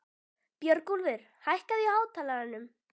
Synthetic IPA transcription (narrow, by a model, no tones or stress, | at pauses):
pjœɾkulvɪɾ̥hajhkaðiaːwt̪ʰaːlaɾanːʏm